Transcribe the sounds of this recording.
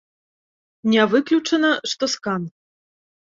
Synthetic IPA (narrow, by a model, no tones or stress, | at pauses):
nʲɛvɨklʲut͡ʂɐnɐʂt̪ɔskan